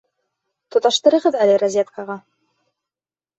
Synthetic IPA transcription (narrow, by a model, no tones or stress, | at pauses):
t̪ŏt̪ɑʃt̪ɤ̆ɾɤ̆ʁɤðælɘɾɐzʲet̪kɑʁɑ